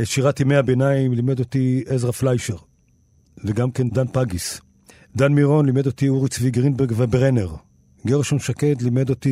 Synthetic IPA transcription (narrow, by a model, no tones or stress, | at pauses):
ʃiʁatimejabenaimlimed̪ot̪iezʁaflajʃeʁ | veɡamkend̪anpaɡis | d̪anmiʁo̞nlime̞d̪ot̪iuʁit͡sviɡʁinbeʁɡvebeʁeneʁ | ɡeʁeʃonʃakedlimed̪ot̪i